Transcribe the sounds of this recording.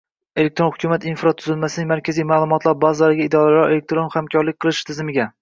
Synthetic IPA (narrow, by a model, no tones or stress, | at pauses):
elek̚t̪ɾonhʊkʲʰumat̪infɾat̪ʰʊzɪlmasɪnɪŋmaɾkʲʰazijmaːlˠʊmɒt̪ʰlˠaɾbazaɾɪɡʲaɪd̪ɒɾalɾaɾe̞lek̚t̪ɾonhamkʲʰɒɾlɪk̚ʲqʰɨlˠɪʃt̪ʰɪzɪmɪɡʲa